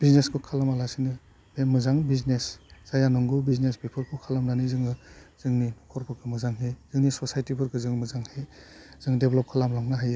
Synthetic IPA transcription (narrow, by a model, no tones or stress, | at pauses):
b̥izneskʰukʰalamalasinɯ | bemɯzaŋbiznesz̥ajanɔŋɡɯbiznespepʰɯɾkʰukʰalamnanizɯŋɯz̥ɯŋninɔkʰɔɾbʰɯɾɡɯmɯzaŋɦez̥ɯŋnisɔsajtibʰɯɾɡɯzɯŋmɯzaŋhez̥ɯŋdeblɔp̚kʰalamlaŋnaɦajɯ